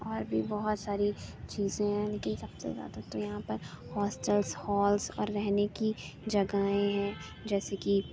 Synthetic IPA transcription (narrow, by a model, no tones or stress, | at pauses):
ɔːɾbʱibɐɦʊt̪saːɾit͡ʃiːzẽɦɛ̃leːkɪnsɐbsḛza̰ːd̪at̪ojɐɦãpɐɾhɔːsʈəlshɔːlsɔ̰ːɾːɛɦneki | d͡ʒɐɡaːẽɦɛ̃ | d͡ʒɛːseki